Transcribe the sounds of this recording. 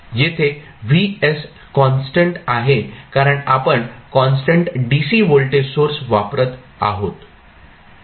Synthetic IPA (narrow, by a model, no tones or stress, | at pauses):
jet̪ʰe | ʋies | kɔnsʈəɳʈaɦekaɾəɳapəɳkɔnsʈəɳʈɖisiːʋolʈesoɾsʋapɾət̪ | a̰ɦot̪